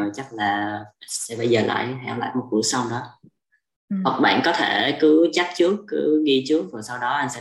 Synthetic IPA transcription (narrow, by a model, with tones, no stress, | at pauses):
t͡ɕa˦˥k̚laː˨˩sɛ̰˧˥ɓə˧jzəː˨˩la̰ː˧˨jɦa̰˧˨˧wla̰ː˧˨jmo˨˩t̚kṵ˧˩əsa˧wŋ͡mɗɔ˨˦ | hwə˨˩k̚ɓa̰ː˧˨nkɔ˨˦t̪ʰe˧˩kɨ˨˦t͡ɕa˦˥k̚t͡ɕɨ˦˥əkːɨ˨˦ŋi˧t͡ɕɨ˦˥ək̚vəː˨˩sa˧wɗɔ˨˦ʔa˧nsɛ̰˧